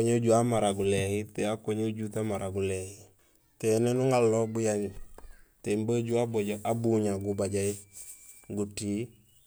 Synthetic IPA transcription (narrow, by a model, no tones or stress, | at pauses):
oɲeɟuamaɾaɡulehiteakoɲeɟutamaɾʔaɡulehi | tenenuŋalːobujaɲ | tembəɟuaboɟoʔabuɲaɡubaɟai | ɡutiː